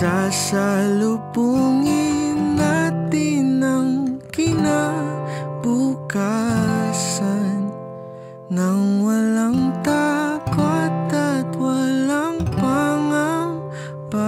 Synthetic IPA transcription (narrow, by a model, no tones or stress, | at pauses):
asalupuŋinat̪inaŋkina | buka | san | ŋaŋwalaŋt̪akot̪at̪walaŋpaŋaŋ | pa